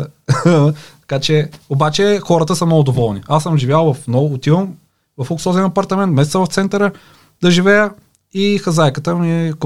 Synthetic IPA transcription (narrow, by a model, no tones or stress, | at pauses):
t̪ɐ̥kat͡ʃɛobat͡ʃɛxɔɾət̪əsəmnɔɡʊd̪ovɔlˠniasəmʒivʲjalˠvɐfnɔʊt̪im | vɐfoksɔzʲnɐpɐɾt̪ɐmɛnt̪mɛsɛt̪səvɐft̪sɛnt̪əɾə | d̪ɐʒivɛjə | ixɐzajkət̪əmiɛk